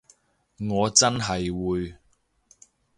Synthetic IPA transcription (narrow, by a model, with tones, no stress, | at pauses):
ŋɔː˨˧t͡sɐ˥nɦɐ˨jwuː˨˧j